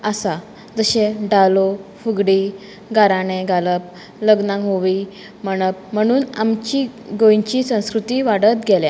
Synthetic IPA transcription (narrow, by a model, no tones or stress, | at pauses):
əsa | d͡zəɕeɖalofuɡɽi | ɡaɾaneɡaləp̚ | ləɡnãŋɦoʋi | məɽ̃əp̚m̤əɽ̃uːnamt͡ɕiɡojɲt͡ɕiːsə̃w̃skɾut̪iːʋaɽət̪ɡʱelja